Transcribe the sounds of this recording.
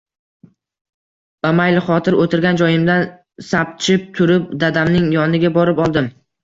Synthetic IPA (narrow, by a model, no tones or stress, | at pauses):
b̥amajlɪχɒt̪ʰɪɾot̪ʰɪɾɡʲand͡ʒɒjɪmd̪an | sap̚t͡ʃʰɪp̚t̪ʰʊɾɪp̚d̪ad̪amnɪŋjɒnɪɡʲabɒɾɪpɒlˠd̪ɪm